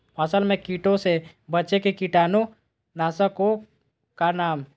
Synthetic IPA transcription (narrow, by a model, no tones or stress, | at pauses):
ɐsəlmẽkiːʈõse | bəːt͡ʃekekiʈaːnõ | naːsəko | kanaːm